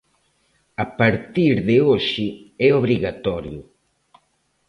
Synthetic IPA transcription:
apaɾt̪iɾðɪoʃɪɛoβɾiɣat̪ɔɾjʊ

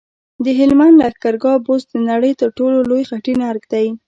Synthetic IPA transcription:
d̪əɦɪlmand̪laxkaɾɡɑbozd̪ənaɽəjt̪əɾʈololojxaʈinaɾɡd̪aj

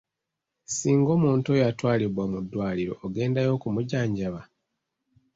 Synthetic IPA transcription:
siːŋɡo̞muːntuojatwaːliβwamudːwaːliɾo̞̰ːɡe̞ːndajo̞ːkumuɟaːɲɟaβa

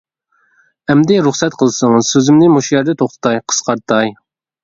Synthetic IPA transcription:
ɛmd̪ɪɾuχsɛt̪̚qʰəlˠsɨŋsøzɪmnɪmoʃjɛɾd̪ɛt̪ʰoχt̪ʰɨ̥t̪ɑjqʰə̥sqʰɑɾt̪ʰɑj

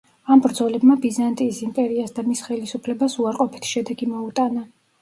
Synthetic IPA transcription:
ambɾd̪zɔlɛbmabizant̪ʼiːsimpʼɛɾiasd̪amisχɛlisupʰlɛbasuaɾqʼɔpʰi̥t̪ʰʃɛd̪ɛɡimɔut̪ʼana

